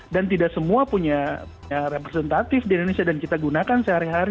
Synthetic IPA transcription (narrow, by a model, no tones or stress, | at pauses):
dant̪̬idaksəmuapuɲapuɲaɾepɾesɛnt̪at̪ɪfdiindonesiadankit̪aɡunakansəhaɾiɦaɾi